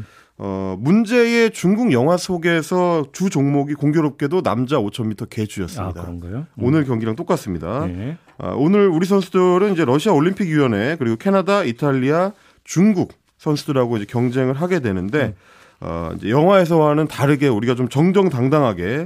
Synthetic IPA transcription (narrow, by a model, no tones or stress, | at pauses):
ʌ̰mund͡ʑe̞e̞t͡ɕuŋɡuɡjʌŋɦwasʰoɡe̞sʰʌtud͡ʑoŋmoɡikoŋɡjoɾop̚k͈e̞dona̰md͡ʑaot͡ɕʰʌnmitʰʌke̞d͡ʑʰujʌs͈ɯmɲida̰ŋɡonɯɭkjʌŋɡiɾaŋt͈ok͈as͈ɯmɲida̰ | ʌ̰onɯɾuɾisʰʌnsʰudɯɾɯnid͡ʑe̞ɾʌɕʰiaoʎːimpʰiɡjijʌne̞kɯɾiɡokʰe̞nadaitʰaʎːia | t͡ɕuŋɡuk̚ | s͈ʰʌnsʰudɯɾaɡoid͡ʑe̞kjʌŋd͡ʑe̞ŋɯɭɦaɡe̞dwe̞nɯnde̞ | ʌ̰ḭnd͡ʑe̞̰jʌŋɦwae̞s̬ʰʌwanɯntaɾɯɡe̞uɾiɡat͡ɕomt͡ɕʌŋd͡ʑʌŋtaŋdaŋɦaɡe̞